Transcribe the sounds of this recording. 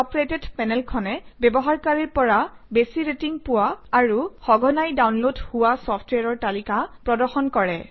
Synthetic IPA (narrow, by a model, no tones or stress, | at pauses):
ɔpɹetedpɛnɛlkʰɔnɛbɛbɔɦaɹkaɹiɹpɔɹabesiɹetiŋpʊwaːɹuxɔɡʱɔnajdawnlodhuwasɔpʰtwaɹɔɹtalikapɹɔdɔɹxɔnkɔɹɛ